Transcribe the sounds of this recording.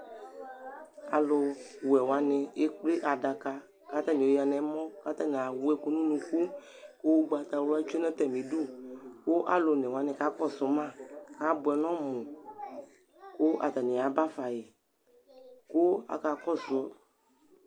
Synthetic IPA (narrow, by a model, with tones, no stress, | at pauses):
a̰˨lo˨wɛ˨wa˨nẽ˨e˦k͡ple˦ʔa˨da˨ka˨ | ka˦t̪a˦nẽ˨wo˨˦ja˨nɛ̃˨mɔ̃˦ka˦t̪a˦nẽ˨a˨wu˦ɛ˦ko˦nũ˦nũ˨˧ku˦ | ko˦wo˦ɡ͡ba˨t̪a˨wla˦t͡ʃe˦nɛ̃˦t̪ɛ˨mĩ˨du˦ko˦ʔa˨lo˨nɛ̃˨wa˨˦nɛ̃˨ka˦kɔ˦so˨mã˦˨ka˦bo˨ɛ˨nɔ̃˦mũ˨ | ko˦ʔa˨t̪a˨nẽ˨a˨ba˦fa˨je˨ | ko˦a̰˨ka˨kɔ˦so˨˦